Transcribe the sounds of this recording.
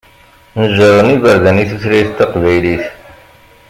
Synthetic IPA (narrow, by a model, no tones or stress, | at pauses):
nəʒəɾˤənivæɾðæniθusɾæjθt̪ːæqvæjliθ